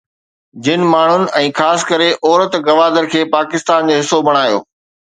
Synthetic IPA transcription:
d͡ʑɪnɪ̆maːɳ̤ʊnɪ̆ɛ̃ːxaːskəɾeʔɔːɾət̪ɡɐʋaːd̪əɾkʰeːpaːkɪst̪aːnd͡ʑoːɦɪsobʱɐɽ̃aːjo̰ː

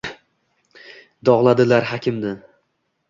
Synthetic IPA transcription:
d̪ɒʁlˠad̪ɪlaɾɦakʲɪmd̪ɪ

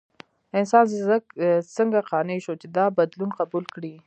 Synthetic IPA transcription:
ɪnsɑnzzəksəŋɡaqɑnəʃot͡ʃed̪ɑbad̪lunqabulkɽi

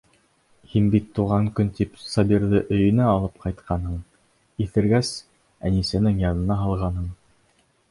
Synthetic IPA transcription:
hinbit̪ːuʁɑŋkɵnt̪ipsɑbiɾðɘʔɵ̆jɵ̆næɑlˠɤp̚qɑjt̪qʰɑnɦɤɴ | iθɘ̆ɾɡæs | ænisænɘŋjɑnɤ̆nɑɦɑlˠʁɑnɦɤɴ

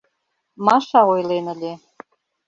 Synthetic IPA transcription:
mɑʃɑojlenə̆lʲe

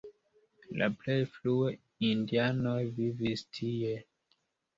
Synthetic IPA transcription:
la̰ple̞jflue | indiano̞jvivistʰie̞

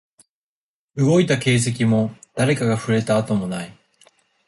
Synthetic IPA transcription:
ɯ̟ɡo̞it̪ake̞ːs̬e̞k̬ʲimo̞d̪̥aɾe̞kaɡaɸɯ̟ɾe̞t̪aːt̪o̞mo̞nai

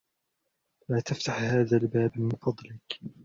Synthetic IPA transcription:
laːt̪aft̪aħhaːðalbaːbmɪnfɑd̪ˤlɪk

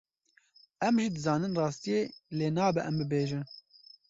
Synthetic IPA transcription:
ɛmʒiːd̪ɨzɑːnɨnrɑːst̪ijeːleːnɑːbɛʔɛmbɨbeːʒɨn

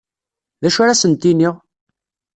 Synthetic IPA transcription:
ðæʃaɾasənt̪iniʁ

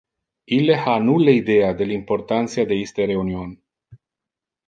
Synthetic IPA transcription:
ilehanuleid̪ejad̪elimport̪ant̪siad̪eist̪eɾe̞unionʲ

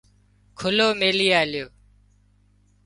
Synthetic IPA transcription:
kʰʊloːmeːliːaːlɪjoː

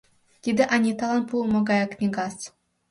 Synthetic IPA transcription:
t̪ʲid̪ʲɘʔanʲit̪ɑlˠɑnpumoɡɑjaknʲiɡɑt͡s

